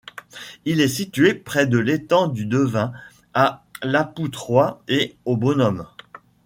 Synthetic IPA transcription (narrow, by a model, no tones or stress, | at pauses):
ilɛsit̪yepχɛd̪əlet̪ɑ̃d̪yd̪əvɛ̃ | alaput̪χwaeobonɔm